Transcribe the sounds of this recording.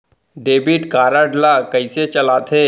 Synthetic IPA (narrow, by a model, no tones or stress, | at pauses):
ɖeːbiʈkaːɾəɖlakəɪset͡ʃɐlaːt̪ʰeː